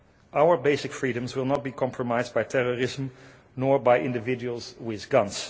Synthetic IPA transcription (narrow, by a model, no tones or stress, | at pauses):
ʔawə˞beɪsɪkfɹiːɾə̃mzwɪlˠnɔt̚bikʰɔ̃mpʰɹɔmaɪzdbajtʰɛɹɔɹɪzm̩ | nɔɹbajʔɪ̃ndɨvɪd͡ʒəwəlˠzwɪðɡʌ̃ns